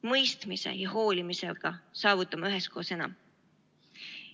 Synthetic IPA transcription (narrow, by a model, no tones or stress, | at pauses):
mɤjst̪mise̞̰jɑho̞ːlimise̞lɡ̥ɑsɑːvut̪ˑːɑmɑyɦe̞sko̞ːse̞nɑ̰m